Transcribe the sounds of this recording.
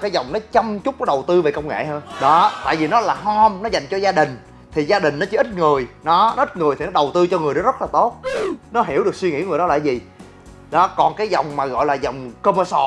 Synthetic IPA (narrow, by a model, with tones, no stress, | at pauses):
kaː˨˦jzɔ˨˩wŋ͡mnɔ˨˦t͡ɕa˧mt͡ɕʊ˦˥k͡p̚ɔ˨˦ɗə˨˩wt̪ɨ˧ve˨˩kə˧wŋ͡mŋḛ˧˨ɦəː˧nɗɔ˨˦t̪a̰ː˧˨jvi˨˩nɔ˨˦laː˨˩ɦɔ˧mnɔ˨˦za˨˩jŋ̟t͡ɕɔ˧zaː˧ɗï˨˩ŋ̟ | t̪ʰi˨˩zaː˧ɗï˨˩ŋ̟nɔ˨˦t͡ɕɨ˨˦ʔi˦˥t̚ŋɨ˨˩əjnɔ˨˦nɔ˦ʔi˦˥t̚ŋɨ˨˩jt̪ʰi˨˩nɔ˨˦ɗə˨˩wt̪ɨ˧t͡ɕɔ˧ŋɨ˨˩əjnɔ˨˦zə˦˥t̚laː˨˩t̪o˦˥t̚nɔ˨˦ɦi˧˩əwɗɨ˨˩ək̚swi˧ŋḭ˧˥əŋɨ˨˩əjɗɔ˨˦la̰ː˧˨jzi˨˩ | ɗɔ˨˦kɔ˨˩nkaː˨˦jzɔ˨˩wŋ͡mmaː˨˩ɣɔ̰˧˨jlaː˨˩zɔ˨˩wŋ͡mkə˧mə˧sɔ˧˩